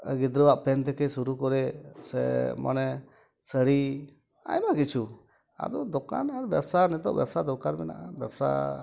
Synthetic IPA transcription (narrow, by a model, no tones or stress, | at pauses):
əɡid̪ɾəwaʔpɛnt̪ɛkɛsuɾukɔɾɛsɛ̰ma̰nɛ | səɽi | a̰jmakit͡ʃʰu | a̰d̪ɔd̪ɔka̰naɾbɛbsanɛt̪ɔʔbjɛbsad̪ɔkaɾmɛna̰ʔabɛbsa̰